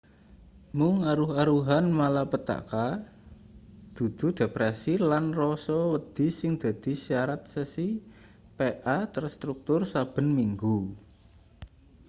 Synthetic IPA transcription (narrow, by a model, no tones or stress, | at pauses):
mʊŋaɾuɦaɾuɦanmalapət̪a̰ka | d̪̥ṳd̪̥ṳɖ̥e̤pɾɛsilanrɔsɔwəd̪̥ɪ̤sɪŋd̪̥a̤d̪̥i̤siaɾat̪̚səsi | peʔat̪ərst̪ɾuk̚t̪ʊrsab̥ə̤nmiŋɡu